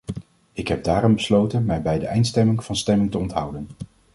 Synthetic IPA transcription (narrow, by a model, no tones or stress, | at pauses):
ɪkɦɛb̚daːrɔmbəslowtənmɛjbɛjdəʔɛjntstɛmɪŋvɑnstɛmɪŋtəɔntɦʌwdən